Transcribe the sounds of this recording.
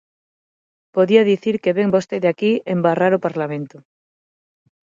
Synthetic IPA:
poðiaðiθiɾkeβeŋbost̪eðakiembaraɾopaɾlamẽnt̪o

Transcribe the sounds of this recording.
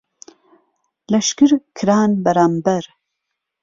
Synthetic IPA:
lɐʃkɨɾkʰɾaːnbɐɾaːmbɐɾ

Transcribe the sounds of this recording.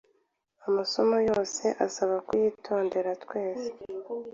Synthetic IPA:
amaso̞mojo̞ːse̞ʔasaβakujiːtʰo̞ːnde̞ɾatkwe̞ːze

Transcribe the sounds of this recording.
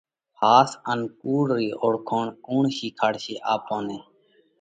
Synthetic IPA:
haːsənkuːɽɾiːʔoɽkʰoːɳkuːɳʃiːkʰaɽʃiːʔaːpõːneː

